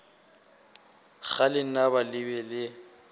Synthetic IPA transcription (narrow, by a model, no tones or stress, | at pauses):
ɣalɪnaβalɪbɛlɪ